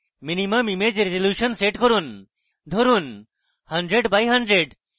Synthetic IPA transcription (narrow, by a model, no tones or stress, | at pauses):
minimɐmimed͡ʒɾezeljuʃənseʈkɔɾun | d̪ʱoɾun | hɐɳɖɾeɖbajɦɐɳɖɾeɖ